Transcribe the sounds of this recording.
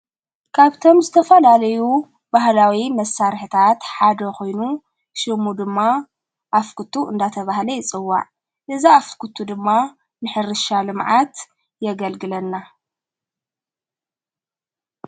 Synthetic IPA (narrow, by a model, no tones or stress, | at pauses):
kʰaβt̪ʰo̞mzɨt̪ʰɐfɐlalɐju | bahlawimɐsːaɾħt̪ʰat̪ħad̪ɐko̞jnu | ʃɨmud̪ɨmːa | ʔafkʰɨt̪ʰuʔɨnd̪at̪ʰɐβahlɐjɪt͡sʼɨwːa̰ʕ | ʔɨziafkʰut̪ʰud̪ɨmːa | nɨħɨɾɨʃalɨmʕat̪ | jɛɡɐlɡɨlɐnːa